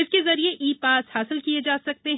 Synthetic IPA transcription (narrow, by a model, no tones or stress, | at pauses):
ɪskezɐɾieʔiːpaːshaːsɪlkied͡ʒaːsɐk̚t̪eɦ